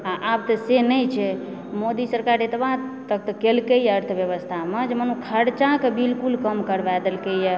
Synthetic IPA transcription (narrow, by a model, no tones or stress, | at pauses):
aʔabt̪əsenəjt͡ʃʰɛ | mod̪isəɾkaɾet̪bat̪ək̚t̪əkelkəjəɾt̪ʰbjəβəst̪ʰamed͡ʒemənukʰəɾt͡ʃakebilkulkəmkəɾbɛd̪əlkejə